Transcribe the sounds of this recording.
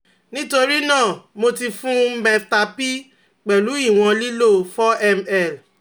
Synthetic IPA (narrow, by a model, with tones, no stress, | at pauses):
nĩ˦to˧ɾi˦nãː˦˨mo˧ti˧fũ˦m̩˦bɛ̃˧ta˧pi˦ | k͡pɛ˨lu˨˦i˦˨w̃ɔ̃˧li˦lo˦fɔ˦ɛ˦mɛ˦˨l